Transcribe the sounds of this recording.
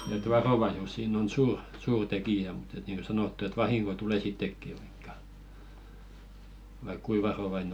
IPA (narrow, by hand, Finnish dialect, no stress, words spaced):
et ʋɑroʋɑisus sinˑ on suːr suːr tekijæ mut et niːŋko sɑnotːu et ʋɑhiŋko tuleˑ sitːekːi ʋ̥ɑ̥i̥kːɑ̥ ʋɑik kui ʋɑroʋɑine